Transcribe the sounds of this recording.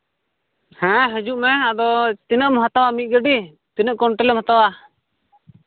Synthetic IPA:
hɛ̃ɦɛd͡ʒuʔmɛad̪ɔt̪inəʔmɦat̪awamit̪̚ˀɡəɖi | t̪inəʔkɔɳʈɛlɛmhat̪awa

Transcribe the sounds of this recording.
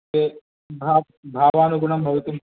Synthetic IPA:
e | bʱaː | bʱaːʋaːnuɡuɳɐmbʱɐʋɐt̪im

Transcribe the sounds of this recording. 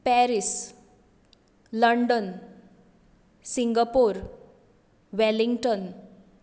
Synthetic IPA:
pɛɾis | ləɳɖən | siŋɡapoɾ | ʋɛliŋɡʈən

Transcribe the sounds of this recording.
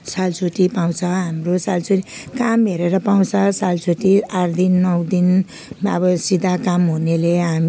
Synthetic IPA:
salt͡sʰoʈipaw̃t͡sʰʌɦamrosalt͡sʰoʈikamɦeɾeɾʌpaw̃t͡sʰʌsalt͡sʰoʈiard̪inːʌwd̪in | ʌ̰bʌsid̪ʱakamɦuneleɦam

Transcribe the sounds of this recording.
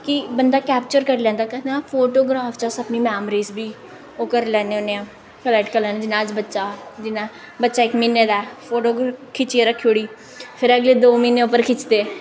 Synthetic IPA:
kibənd̪aːkɛːpt͡ʃəɾkəɾlɛ̃ːnd̪aːkɛd̪eãːfʰoːʈoːɡɾaːfʰt͡ʃaːsəpniːmɛːmɾiːzbiː | oːkəɾlɛːneːoneːãː | kəlɛːʈkəɾlɛːnẽd͡ʒɪnãːd͡ʒbətːʃaːd͡ʒɪna | bətːʃaːɪkmiːneːd̪aːɛpʰoːʈoːɡɾaːkʰɪt͡ʃieɾəkʰːioɽiː | pʰɪɾəɡleːd̪oːmiːneːʊpəɾkʰɪt͡ʃt̪eː

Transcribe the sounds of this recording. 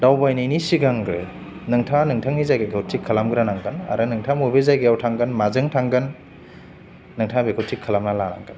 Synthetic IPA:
dawbajnijnisiɡaŋɡɾɯ | nɯŋtʰanɯŋtʰaŋizajɡekʰawtʰikʰːɐlamɡɾanaŋɡɯna̰ɾɯnɯŋtʰamubezajɡejawtʰaŋɡɯnmazɯŋtʰaŋɡɯn | ɯŋtʰabekʰotʰːikʰːɐlamnalana̰ŋɡɯn

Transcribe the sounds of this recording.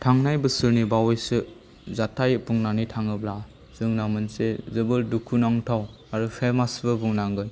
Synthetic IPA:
tʰaŋnajbɯsɯɾnibawejsɯ | zatʰajpuŋnanitʰaŋɯbla | zɯŋnamɯnsezɯbɯldukʰunaŋtʰaw | aɾupʰemasbɯbuŋnaŋɡɯj

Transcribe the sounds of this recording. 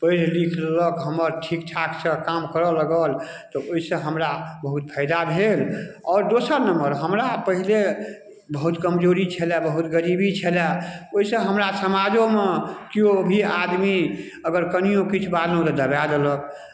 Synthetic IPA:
pəllikʰləkɦəməɾʈʰik̚ʈʰakt͡ʃʰəkamkəɾɔləɡəl | t̪ɔoisə̃ɦəmɾabəɦut̪̚pʰəɪd̪abʱelɔːɾd̪osəɾnəmbəɾɦəmɾapəɦile | bəɦut̪kəmd͡ʒoɾit͡ʃʰelɛbəɦut̪ɡəɾibit͡ʃʰelɛoisə̃ɦəmɾasəmad͡ʒõmekiobʱiad̪mi | əɡəɾkənijõkit͡ʃʰbad̪lũt̪ɔd̪əbjad̪ələk̚

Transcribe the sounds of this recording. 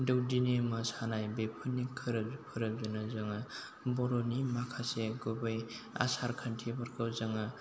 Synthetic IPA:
dɯwdinemɯsanajbepʰɯnːikʰːɯɾɯbpʰɯɾɯb̚zɯnazaŋa | bɔɾɔnimakʰaseɡubaj | a̰saɾkʰantʰibaɾkʰawzaŋa

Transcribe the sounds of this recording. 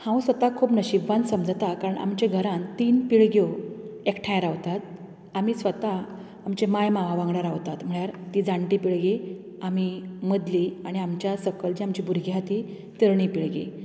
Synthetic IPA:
hãwsʋət̪akʰuːpnəɕibːãnsəmd͡zt̪akaɾəɳʔa̰mt͡ɕẽɡʱəɾãnt̪iːnpiɭɡjoekʈʰãjɾaʋt̪at̪̚ | amiːsʋət̪aː | mt͡ɕemajmaʋaʋãŋɡɽaɾaʋt̪at̪m̤əɭjaɾt̪iːd͡zaɳʈipiɭɡi | am̤iməd̪liaɽ̃iamt͡ɕjasəkəld͡ʑiamt͡ɕibʱuɾɡiɦat̪i | t̪iɾɳipiɭɡḛ

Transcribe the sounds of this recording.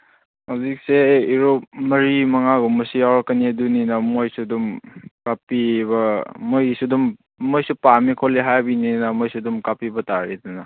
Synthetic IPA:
hawzik̚seːɾomɐɾimɐŋaɡumɐsijawɾɐkːɐniɐduninɐmojsudumkapibɐmojsudumː | ojsupamikʰoliɦajbininɐmojsudumkapibɐtaɾidunɐ

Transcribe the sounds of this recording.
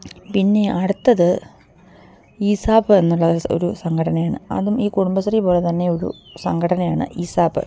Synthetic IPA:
pinːe̞ɐɽut̪ːɐðɨ | iːsaːbɨe̞nːuɭːɐo̰ɾusɐŋɡʰʱɐɽɐnɐjaːɳɨ̰ɐ̰ðumiːkuɽumbɐsɐripo̞ːle̞t̪ɐnːe̞o̞ɾṵsɐŋɡʰʱɐɽɐnɐjaːɳɨ̰ʔiːsaːbɨ̰

